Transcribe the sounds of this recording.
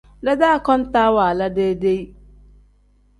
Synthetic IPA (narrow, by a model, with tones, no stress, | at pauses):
dɛ˦da˦˨kɔ̃˦n˦taː˦waː˨la˦de˦de˦i˦